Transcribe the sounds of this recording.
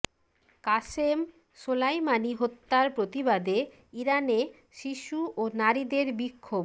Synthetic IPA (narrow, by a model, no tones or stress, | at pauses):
kaʃem | ʃolajmaniɦot̪ːaɾpɾot̪ibad̪e | iɾane | ʃiʃuonaɾid̪eɾbikʰːob